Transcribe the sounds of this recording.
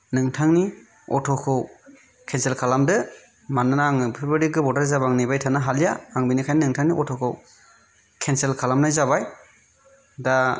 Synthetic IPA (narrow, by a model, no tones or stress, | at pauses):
nɯŋtʰaŋni | ɔtʰɔkʰɯw | kʰenselkʰalamdɯ | mananaŋɯpʰɯbɯɾiɡɯbɔdaɾzabaŋnijbajtʰanaɦalijaːŋbinikʰajnnɯŋtʰaŋniʔɔtʰɔkʰɯw | kʰenselkʰalamnajzabaj | da